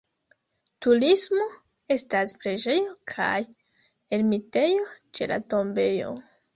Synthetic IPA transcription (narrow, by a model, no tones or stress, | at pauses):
tulismo̞ | e̞staspɾeʒe̞jo̞kʰa̰j | elmite̞jo̞t͡ʃe̞̰la̰to̞mbe̞jo̞̰